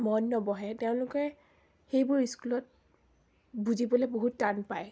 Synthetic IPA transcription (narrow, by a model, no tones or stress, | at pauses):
mɔnːɔbɔɦɛteʊ̃lʊkɛ | xejbʊɹiskulɔt̚ | buzibɔlɛboɦutːanpaj